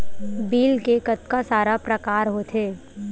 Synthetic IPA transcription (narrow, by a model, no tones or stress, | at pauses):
biːlkekət̪kasaːɾapɾɐkaːɾɦot̪ʰeː